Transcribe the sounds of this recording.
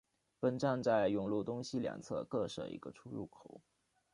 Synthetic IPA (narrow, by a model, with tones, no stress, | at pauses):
pə˥nʈ͡ʂa˥˧nt͡sa˥˩ɪjʊ˥˩ŋlu˥˩t̪ʊ˥ŋɕi˥ljɑ̰˨˩ŋt͡sʰɤ̰˥˧kɤ˥˩ʂɤ̰˥˩ḭ˧˥ɡ̥ə˧ʈ͡ʂʰu˥ɻṵ˥˩kʰo˨˩˦ʊ